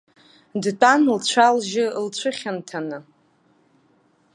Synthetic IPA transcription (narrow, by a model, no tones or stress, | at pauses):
dtʼanlt͡ɕʷʰalʒɪlt͡ɕʷʰɨχʲantʰanɨ